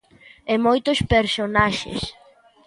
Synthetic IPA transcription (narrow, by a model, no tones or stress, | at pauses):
emojt̪ʊspeɾsonaʃḛs